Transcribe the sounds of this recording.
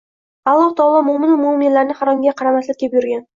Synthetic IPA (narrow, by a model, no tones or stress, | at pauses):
ɑlˠːɒht̪ʰɒːlˠɒmʊmɪnɪmʊmɪnlaɾnɪχɑɾɑmɡʲaqʰɑɾamat̪lɪkʰʲepjʊɾɡʲan